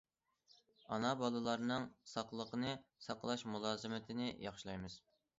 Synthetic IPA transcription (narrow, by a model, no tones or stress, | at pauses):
ɑnɑbɑlˠɨlˠɑɾnɨŋsɑqlˠəqənɨsɑqlˠɑʃmulˠɑːzɨmɪt̪ʰɪnɪjɑχʃilˠɑjmɨz̥